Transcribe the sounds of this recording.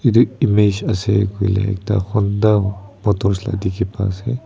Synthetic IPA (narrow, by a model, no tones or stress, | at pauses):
id̪uimeʃasekwilḛk̚t̪a̰xund̪amot̪oɾsla̰t̪ikipa̰se